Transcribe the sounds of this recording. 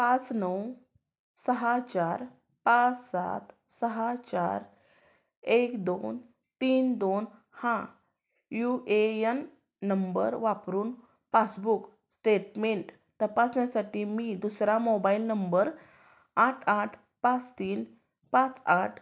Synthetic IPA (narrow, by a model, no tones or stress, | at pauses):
pat͡snəw | səɦat͡ɕaɾ | pãt͡ssa̰t̪ | səɦat͡ɕa̰ɾ | ekd̪on | t̪iːnd̪on | hã | juʔejənː | əmbəɾʋapɾuːn | pat͡sbuk | sʈeʈmeɳʈ | t̪əpasnjasaʈiːmiːd̪usɾamobailnəmbəɾ | aʈʰaʈʰ | pat͡st̪iːn | pãt͡saʈʰ